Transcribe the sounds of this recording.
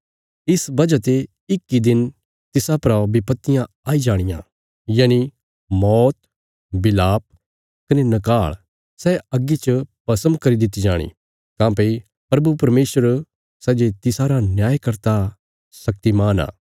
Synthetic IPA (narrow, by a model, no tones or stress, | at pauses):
ɪsbɐd͡ʒət̪e | ɪkːid̪ɪn | t̪ɪsapɾabɪpət̪ːɪjã | aːid͡ʒaːɽ̃ɪjã̰ | jaːni | mɔːt̪̚ | bɪlaːp̚ | kɐnenɐkaːɭ | sɛɐɡit͡ʃəpɐsə̃mkɐɾid̪ɪt̪ːid͡ʒaːɽ̃ḭ | t̪ãːpɐi | pɾɐbupɐɾmeːsəɾ | sɛːd͡ʒet̪ɪsaɾanjaːjkɐɾt̪a | sɐk̚t̪imaːna̰ː